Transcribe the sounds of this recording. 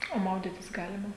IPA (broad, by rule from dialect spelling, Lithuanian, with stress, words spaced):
oː ˈmɐʊdʲiːtʲɪs ˈɡɑːlʲɪmɐ